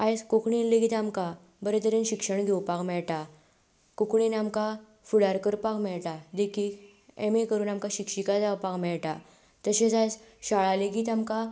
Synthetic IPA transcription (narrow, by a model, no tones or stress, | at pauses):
ajskokɳinleɡit̪amka | bəɾet̪əɾenɕikʂəɳɡʱewpakmɛɭʈa | kokɳinamka | fuɽaɾkəɾpakmɛɭʈad̪ekiːk | ḛmekəɾuːnamkaɕikʂikad͡zawpakmɛɭʈa | t̪əɕet͡sajt͡sɕaɭaleɡiːt̪amka